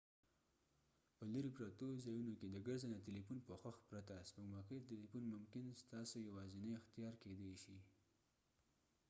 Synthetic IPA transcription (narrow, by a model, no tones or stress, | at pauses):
pəlaɾipɾat̪ozɑjunoked̪əɡəɾzanat̪elipunpəxaxpɾat̪asməɡmɑkət̪elifunmʊmkɪnst̪ɑsojawɑzinaɪxt̪ijɑɾked̪eʃi